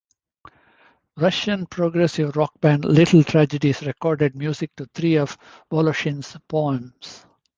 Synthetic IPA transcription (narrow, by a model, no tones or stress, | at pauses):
ɾʌʃə̃npʰɾoːɡɾesɪʋɾɔk̚bæ̃nlɪʈl̩ʈʰɾæd͡ʒəɖisɾekɔːɾɖeɖ̚mjuːzɪk̚ʈut̪ʰɾiːɔʋ | ʋɔloʃə̃nspoə̃ms